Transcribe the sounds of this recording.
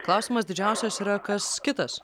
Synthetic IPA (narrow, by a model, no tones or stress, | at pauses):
klˠɑˑʊsʲiːˑmɐsd̪ʲɪd͡ʒʲæˑʊsʲɛsiːɾɐkɐskʲɪt̪ɐs